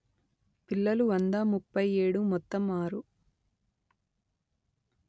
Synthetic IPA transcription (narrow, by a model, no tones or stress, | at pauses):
pilːɐluʋɐnd̪aːmupːɐjeːɽumɔt̪ːɐmaːɾu